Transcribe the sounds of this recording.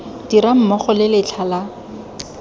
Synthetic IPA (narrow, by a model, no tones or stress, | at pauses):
d̥iɾam̩mɔχɔlɪlɪt͡ɬʰala